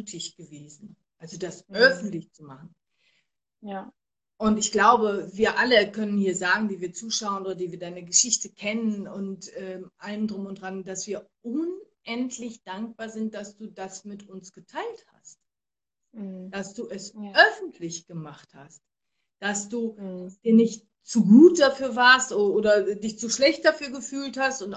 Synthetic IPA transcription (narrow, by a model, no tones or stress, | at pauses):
tʰɪçɡ̥əveːzn̩ | ʔalzodasʔœfn̩tlɪçt͡sumaχn̩ | ʔʊntɪçɡ̥laʊbəviːɐʔaləkʰœnənhiːɐzaːɡŋ̩diːviːɐt͡suːʃaʊənʔoːdɐdiːviːɐdaɪnəɡəʃɪçtəkʰɛnənʊntʔɛːʔaləndʁʊmʊndʁandasv̥iːɐʔʊnʔɛntʰlɪçd̥aŋk̚b̥aːɐzɪnt̚d̥asd̥uːdasmɪtʊnsɡ̥ətʰaɪltha̰st̚ | d̥asd̥uːɛsʔœfn̩tʰlɪçɡ̥əmaχtha̰st | d̥asd̥uːdasd̥iːɐnɪçt̚ | t͡suɡuːt̚d̥afyːɐvaːɐstʔoɐʔoːɾɐdɪçt͡suʃlɛçt̚d̥afyːɐɡəfyːlthastʊnt